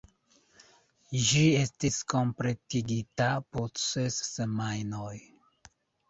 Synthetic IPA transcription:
ʒiestisko̞mpɾetiɡitapot͡sesːemajnoj

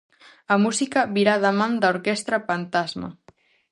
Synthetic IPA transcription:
ɐmusikɐβiɾaðamãnd̪aoɾkɛst̪ɾɐfant̪azmɐ̰

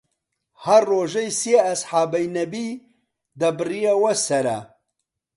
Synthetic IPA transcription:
hɐrːoːʒejsiɐsħaːbɐjnɐbi | d̪ɐbɨrijawɐsɐɾɐ̰

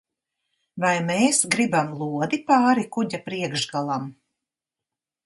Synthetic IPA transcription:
vajmeːsɡɾibamlˠuɔd̪ipaːɾikuɟapɾiɛɡʒɡalˠam

